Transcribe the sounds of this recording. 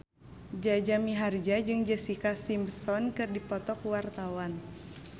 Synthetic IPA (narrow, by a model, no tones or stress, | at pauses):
d͡ʒad͡ʒamiɦard͡ʒad͡ʒɨŋd͡ʒəsikasimbsɔnkɨrdipɔt̪ɔkuwart̪awan